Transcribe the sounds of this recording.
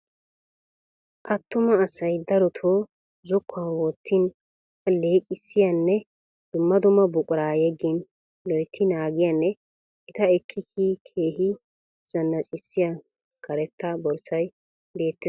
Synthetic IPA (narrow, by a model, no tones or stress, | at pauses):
ʔɐt̪ːʊmɐːsɐjd̪ɐɾɔt̪ʰoː | zʊkʰːawɔt̪ʰːɪn | leːkʼɪsːɪjɐnːɛ | d̪̥ʊmːɐd̪ʊmɐbʊkʼʊɾaːjɛɡːɪn | lɔjt̪ʰːɪnaːɡɪjanːɛ | ɪt̪ɐɛkʰːɪkikʰeːhɪ | z̥ɐnːɐt͡ʃʼɪsːɪja | kɐɾɛt̪ːɐbɔɾsɐj | be̞ːt̪ːɪ